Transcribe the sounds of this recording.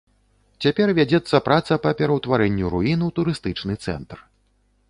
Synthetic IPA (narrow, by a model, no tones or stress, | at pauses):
t͡sʲapʲɛrvʲad͡zʲɛt̪sːɐpɾat̪sɐpɐpʲɛɾɐwt̪vaɾɛnʲːuɾuinɨwt̪uɾɨst̪ɨt͡ʂnɨt̪sɛ̰nt̪r